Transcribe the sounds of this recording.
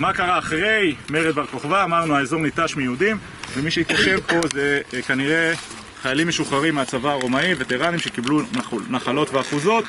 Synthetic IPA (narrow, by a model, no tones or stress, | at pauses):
makaʁaːχʁe̞jmeʁed̪vaʁko̞χvaːmaʁnuaezo̞ʁnit̪aʃmijeud̪im | vemiʃeit̪kaʃe̞vpo̞zekaniʁe̞ | χajalimːeʃuχaʁimːeat͡savaːʁomaivet̪eʁanimʃe̞kibluanaχalo̞t̪veaχuzo̞t̪